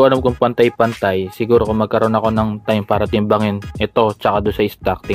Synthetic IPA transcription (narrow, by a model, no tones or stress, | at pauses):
ʔɐlamkʊŋpɐnt̪ajpɐnt̪ajsɪɡuːɾo̞kʊŋmɐɡ̚kɐɾʔo̞nɐko̞nɐŋt̪ajmpaːɾɐt̪ɪmbɐŋɪnʔɛt̪o̞t͡ʃɐkad̪ʊnsɐɪst̪ak̚t̪ɪ